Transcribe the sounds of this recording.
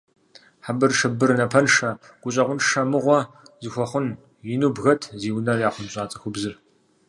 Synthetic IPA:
ħabɨrʂɨbɨrnɐpʰɐnʂɐ | ɡ̥ʷʊɕʼɐʁʷʊnʂɐmɨʁʷɔ | zɨxʷɔχʷʊn | jɪnuːbɣɐtʰziːwnɐrjaːχʷʊnɕʼaːt͡sʼɐxʷʊbzɨr

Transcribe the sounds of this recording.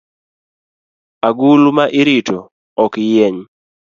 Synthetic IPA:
aɡulmaʔɪɾito | ɔkɪjeɲ

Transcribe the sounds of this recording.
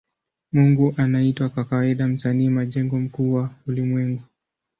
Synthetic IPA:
muŋɡuʔanaitwakakawaiɗam̩saniːmaʄɛŋɡɔm̩kuwaulimwɛŋɡu

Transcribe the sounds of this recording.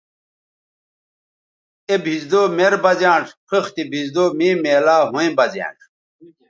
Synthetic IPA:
ebʱizd̪oːmeɾbɐzãːɳʈ͡ʂpʰixt̪ibʱizd̪oːmiːmeːlaːɦũĩbɐzã̰ːɳʈ͡ʂ

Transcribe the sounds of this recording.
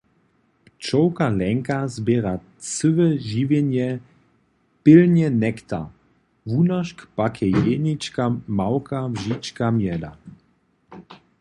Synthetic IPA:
pt͡ʃɔwkalɛŋkazbɛːɾa | t͡sɨvɛʒivjɛnjɛ | pɪlnjɛnɛkt̪a̰ | vunaʃkpakʰɛjenit͡ʃkamawkavʒit͡ʃkamjɛd̪a̰

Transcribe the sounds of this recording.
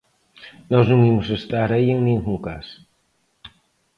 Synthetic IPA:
nɔznũŋimʊsest̪aɾaieŋnĩŋɡuŋkas

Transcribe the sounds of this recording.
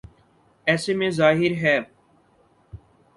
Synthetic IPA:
ɛːsemẽzaːɦɪɾɦɛː

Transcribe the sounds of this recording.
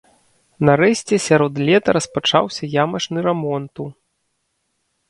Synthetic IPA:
nɐɾɛsʲt͡sʲɛsʲaɾɔd̪lʲɛt̪ɐɾɐspat͡ʂa̰wsʲɐjamɐt͡ʂnɨɾɛmɔnt̪u

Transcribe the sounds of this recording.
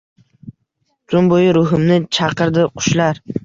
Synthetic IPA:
t̪ʰʊnbojɪɾʊɦɪmnɪt͡ʃʰɑqɨɾd̪ɪqʰʊ̥ʃlaɾ

